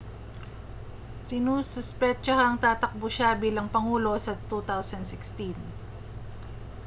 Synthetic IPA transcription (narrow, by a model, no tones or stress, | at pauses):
sɪnuːsʊspɛt͡ʃɐɦɐŋt̪aːt̪ɐk̚bʊʃabiːlɐŋpɐŋuːlo̞sɐt̪ut̪awsɐnd̪sɪkst̪in